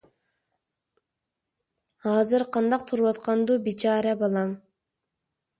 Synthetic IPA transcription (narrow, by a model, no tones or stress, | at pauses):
hɑːzɨɾqʰɑnd̪ɑq̚t̪ʰuɾwɑt̪qʰɑnd̪ubit͡ʃʰɑːɾɛbɑlˠɑm